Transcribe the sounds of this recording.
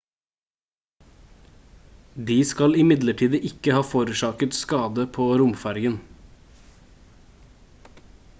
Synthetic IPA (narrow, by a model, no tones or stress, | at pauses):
d̪iːskɑlɪmɪd̪ləʈʰiːd̪əʔɪkəhɑːfoːɾʉːʃɑːkət̪skɑːd̪əpʰoːɾʊmfæɾɡən